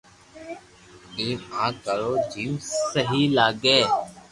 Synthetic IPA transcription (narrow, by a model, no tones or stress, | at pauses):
teːãːkəɾoːd͡ʒiːmsəɦiːlaːɡeː